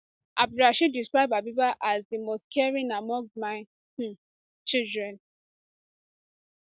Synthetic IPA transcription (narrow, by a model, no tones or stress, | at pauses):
ʔabɾaʃidiskɹaɪbabibaʔazdimostkʰɛɹĩnamɔ̃ŋɡmaɪ | t͡ʃildɹɛ̃n